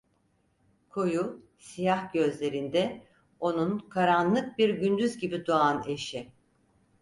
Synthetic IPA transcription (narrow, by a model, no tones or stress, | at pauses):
kʰo̞ju | sijahɟø̞zlʲe̞ɾind̪ɛ | o̞nunkʰaɾanlˠɯk̚biɾɟynd̪yzɟibid̪uane̞ʃi